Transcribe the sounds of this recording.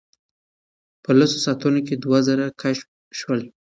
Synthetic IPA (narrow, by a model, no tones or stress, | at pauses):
pəlasosat̪unok̬ed̪wazəɾakʰaʃ | ʃwəl